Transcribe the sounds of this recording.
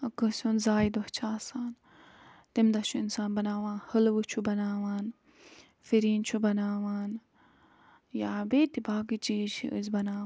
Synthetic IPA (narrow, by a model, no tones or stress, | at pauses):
ɐkəsʲunzaːjd̪oht͡ʃʰaːsaːn | t̪imd̪ɐʃʰuinsaːnbɐnaːʋaːnhəlʋɨt͡ʃʰubɐnaːʋaːn | fiɾiːnt͡ʃʰubɐnaːʋaːn | jaːbeːt̪ibaːɡit͡ʃiːd͡ʒʰiʔə̰zʲbɐnaː